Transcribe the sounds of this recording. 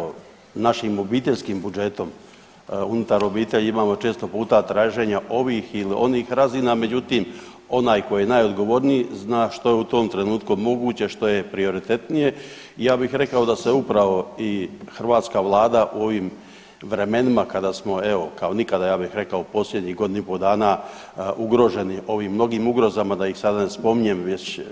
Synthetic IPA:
o | naʃimo̞biːt̪eʎʲskimbud͡ʒe̞t̪o̞m | unut̪aɾo̞biːt̪e̞ʎimaːmo̞t͡ʃe̞ːst̪o̞puːt̪at̪ɾaːʒe̞ːɲaʔo̞ʋiːxiliʔo̞niːxɾaziːname̞d͡ʑut̪iːm | o̞naːjkojijenajo̞d̪ɡo̞ʋo̞ɾniiznaːʃt̪o̞je̞ut̪o̞ːmt̪ɾe̞nuːt̪kumo̞ɡuːt͡ɕeʃt̪o̞je̞pɾio̞ɾit̪e̞t̪nije̞ | ijaːbixɾe̞kao̞d̪ase̞upɾaʋo̞ixr̩ʋaːt̪skaʋlˠaːd̪aʔuo̞ʋiːm | ʋɾe̞me̞nimakad̪aːsmo̞eo̞kao̞nikad̪ajaːbixɾe̞kaopo̞sʎʲe̞d̪ɲiːɦɡo̞d̪inipod̪aːna | ʔuɡɾo̞ʒe̞niʔo̞ʋiːmːno̞ɡiːmuɡɾo̞zamad̪ajixsad̪ane̞spo̞miɲe̞mʋe̞t͡ɕ

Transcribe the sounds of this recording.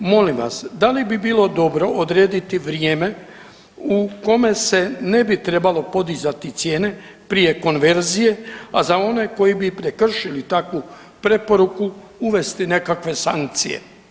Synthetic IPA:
mo̞limʋa̰sd̪alibibiːlo̞d̪o̞bɾo̞ʔod̪ɾeːd̪it̪iʋɾjeːme̞ | uko̞me̞se̞ne̞bit̪ɾe̞balo̞po̞d̪izat̪it̪sje̞ːne̞ | pɾije̞ko̞nʋe̞ɾzije̞azao̞ne̞ko̞jibipɾe̞kr̩ʃilit̪akʋu | pɾe̞po̞ɾuku | uʋe̞st̪ine̞kakʋe̞saŋk̚t̪sḭjḛ

